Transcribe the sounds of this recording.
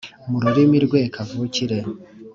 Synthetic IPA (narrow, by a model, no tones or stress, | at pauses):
muɾuɾimiɾɡwekʰavuciɾe